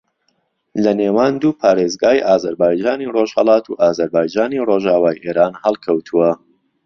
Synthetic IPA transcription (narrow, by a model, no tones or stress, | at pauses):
lɐneːwaːnd̪uːpʰaːɾeːzɡaːjʔaːzɐɾbaːjd͡ʒaːniroʒhəlˠɑːt̪ṵʔaːzɐɾbaːjd͡ʒaːniroʒaːwaːjʔeːɾaːnhɐlˠkʰɐwt̪ʰuwɐ